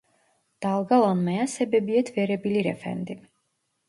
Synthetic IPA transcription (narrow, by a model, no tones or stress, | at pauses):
d̪̥alˠɡalˠanmɛasɛbɛbiɛt̪ʰvɛɾɛbiliɾɛfɛ̰nd̪i